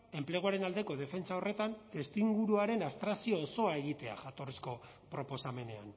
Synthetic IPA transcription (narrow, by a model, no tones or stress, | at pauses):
e̞mple̞ɣ̞uaɾe̞nald̪e̞ko̞ð̞e̞fe̞nt͡saore̞t̪ant̪e̞st̪iŋɡuɾuaɾe̞nast̪ɾasio̞ːso̞ae̞ɣ̞it̪e̞a̰ʝat̪o̞risko̞ | pɾo̞po̞same̞ne̞a̰n